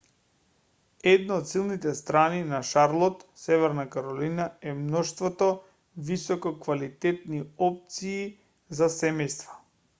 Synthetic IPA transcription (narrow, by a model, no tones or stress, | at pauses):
ɛd̪naot̪silˠnit̪ɛst̪ɾaninaʃaɾlˠɔt̪sɛvɛɾnakaɾɔlinaɛmnɔʃst̪vɔt̪ɔ | visɔkɔkvalit̪ɛt̪niɔp̚t̪siː | zasɛmɛjst̪vḁ